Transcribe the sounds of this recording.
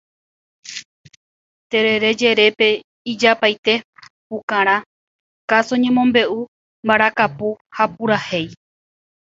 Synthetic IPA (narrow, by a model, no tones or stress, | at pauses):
t̪e̞ɾe̞ɾe̞d͡ʒe̞ɾe̞pe̞ | id͡ʒapajt̪e̞pukãɾ̃ã | kasoɲẽ̞mõmbe̞ʔu | mbaɾakapuhapuɾahe̞j